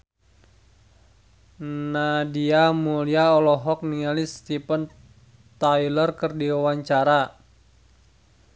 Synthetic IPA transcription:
nadiamuliaɔlɔɦɔk̚niŋalist̪ipən | t̪ajlərkərdiwawaɲt͡ʃaɾa

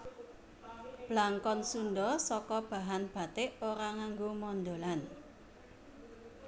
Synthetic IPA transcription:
b̥laŋkɔnsunɖɔsɔkɔb̥a̤ɦanb̥a̤t̪ɪʔoɾaŋaŋɡomɔnd̪olan

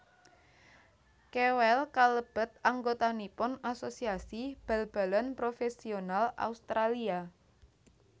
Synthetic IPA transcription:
kewɛlkaləb̥ə̤t̪̚aŋɡot̪anipʊnasosiasib̥ɛ̤lb̥a̤lənpɾofesionala̰ust̪ɾalia

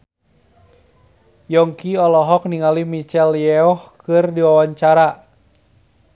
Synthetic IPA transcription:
jɔŋkiɔlɔɦɔk̚niŋalimit͡ʃɛljɛɔhkɨrdiwawaɲt͡ʃaɾa

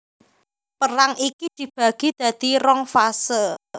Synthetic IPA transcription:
pəɾaŋikid̪̥i̤b̥a̤ɡ̥i̤d̪̥ä̤d̪̥i̤ɾɔŋfasə

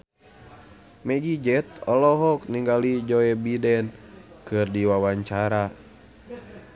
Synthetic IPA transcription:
mɛɡid͡ʒɛt̪ɔlɔɦɔkniŋɡalid͡ʒɔɛbidɛn | kɨrdiwawaɲt͡ʃaɾa

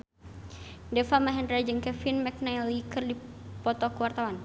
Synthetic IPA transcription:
dɛfamaɦɛndɾad͡ʒəŋkɛfinmɛk̚najlikərdi | pɔt̪ɔkəwart̪awan

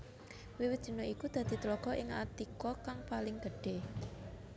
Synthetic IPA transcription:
wiwɪd̥ʒ̥i̤noikud̪̥a̤d̪̥i̤t̪lɔɡ̥ɔ̤ʔɪŋa̰t̪ikɔkaŋpalɪŋɡ̥əɖ̥e̤

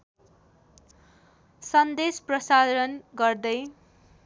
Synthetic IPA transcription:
sʌnd̪esprʌsad̪ʌɾʌnɡʌrd̪ʌj

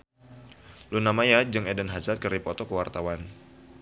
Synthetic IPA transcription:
lunamajad͡ʒɨŋɛdənɦazat̪̚kəripɔt̪ɔkəwart̪awan

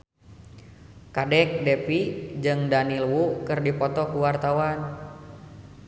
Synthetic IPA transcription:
kadɛk̚dɛpid͡ʒɨŋdanilwukɨrdipɔt̪ɔkuwart̪awan

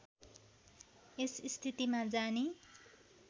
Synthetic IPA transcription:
esist̪ʰit̪imad͡zani

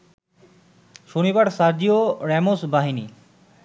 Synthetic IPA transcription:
ʃonibaɾsaɾd͡ʑioɾɛmosbaɦini

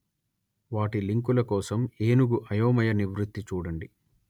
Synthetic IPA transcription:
ʋaːʈiliŋkulɐkɔːsɐmeːnuɡuʔɐjɔːmɐjɐniʋɾut̪ːit͡ʃuːɽɐɳɖi

